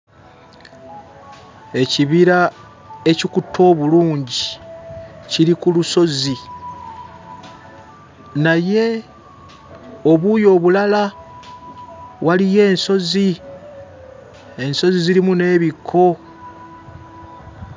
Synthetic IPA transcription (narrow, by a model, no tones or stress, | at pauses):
e̞ciβiɾa | e̞cikutʰo̞ːβuluːɲɟi | ciɾikuluso̞zi | naje̞ | o̞βujo̞ːβulala | walije̞ːnso̞zi | e̞nso̞ziziɾimune̞ːβikʰːo̞